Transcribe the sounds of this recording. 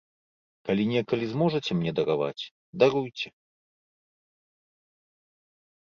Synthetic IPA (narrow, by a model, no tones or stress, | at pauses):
kalʲinʲɛkɐlʲizmɔʐɐt͡sʲɛmnʲɛd̪ɐɾava̰t͡sʲ | d̪aɾujt͡sʲɛ